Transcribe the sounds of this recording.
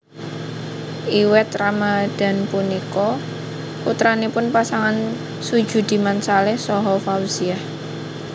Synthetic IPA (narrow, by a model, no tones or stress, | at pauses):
ʔiwɛt̪ramad̪̥a̤npunikɔ | ut̪ɾanepʊnpasaŋan | sud̥ʒ̥ṳd̪̥i̤mansalɛhsɔɦɔfausiah